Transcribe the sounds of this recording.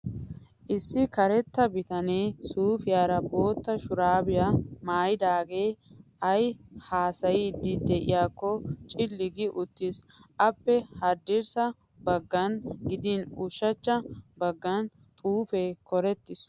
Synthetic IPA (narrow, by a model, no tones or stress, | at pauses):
ʔɪsːɪkɐɾɛt̪ːɐbɪt̪ɐneːsuːfɪjaːɾɐbo̞ːt̪ːɐʃʊɾaːbɪjamaːjɪd̪aːɡe̞ːʔɐjhaːsɐjid̪ɪd̪ɛʔɪ̰jaːkːɔt͡ʃʼɪlːɪɡɪʔʊt̪ːɪsʔɐpːɛhɐd̪ɪɾsɐ | bɐɡːɐnɡɪd̪ɪnʊʃːɐt͡ʃːɐbɐɡːɐn | t̪ʼuːfeːkɔɾɛt̪ːɪs